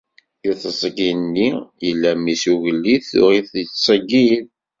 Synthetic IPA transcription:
juθəzˤəɡinːijəlːæmisuʝəlːiθʊ̰ʁiθət͡sːsˤəɡið

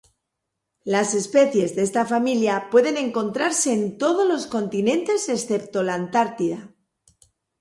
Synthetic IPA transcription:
lase̞spe̞θje̞zðee̞st̪afamiljapwe̞ðe̞nẽ̞ŋko̞nt̪ɾaɾse̞ːnt̪o̞ð̞o̞lo̞sko̞nt̪inẽ̞nt̪e̞se̞sθe̞p̚t̪o̞laːnt̪aɾt̪iða

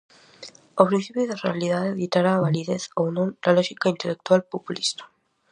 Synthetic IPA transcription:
opɾinθipjoðerealiðaðeðit̪aɾaβaliðeθownonːaloxikaint̪elek̚t̪walpopulist̪ḁ

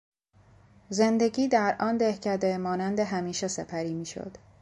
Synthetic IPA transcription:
zend̪e̞ɡʲiːd̪æɾʔɒːnd̪ehcʰæd̪emɒːnænd̪eɦæmiːʃesepʰæɾiːmiːʃo̰d̪̥

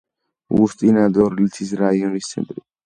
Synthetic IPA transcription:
ust̪ʼinad̪ɔɾlit̪ʰisɾaiɔnist̪sʰɛ̰nt̪ʼɾi

